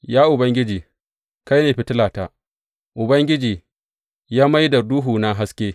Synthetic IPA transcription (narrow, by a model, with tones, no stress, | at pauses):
jaː˦ʔʊ˨bɐ˦ŋɡʲɪ˦d͡ʒiː˨ | ka˦jneː˨ɸɪ˨tɪ˦laː˨taː˦ | ʔʊ˨bɐ˦ŋɡʲɪ˦d͡ʒiː˨ | jaː˦ma˦jdɐ˨duː˦ɦuː˨na˦ɦa˦skʲeː˦